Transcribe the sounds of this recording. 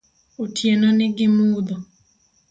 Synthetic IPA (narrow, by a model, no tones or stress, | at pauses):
utʰjenɔnɪɡɪmuːd̪ɔ